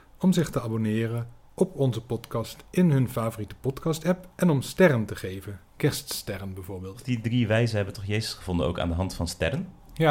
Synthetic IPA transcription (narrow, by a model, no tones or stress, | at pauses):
ɔmzɪχtəabonɪːrən | ʔɔpɔnzəpɔtkɑstɪnɦɵnfaːvoritə̥pɔtkɑstɛpɛnɔmstɛrəntəχejvənkɛɹststɛrənbɛjvʊːɹbeːlˠtdidriʋɛjzənɦɛbəntɔχjejzəsχəv̥ɔndə̰no̰wka̰ːndəɦɑntfɑnstɛ̰ɾən | ja